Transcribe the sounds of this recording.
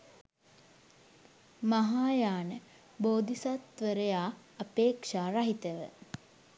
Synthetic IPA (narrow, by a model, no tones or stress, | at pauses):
maɦaːjaːnə | boːd̪ʱisat̪ʋəɾəjaː | apeːkʂaːɾaɦit̪əʋə̰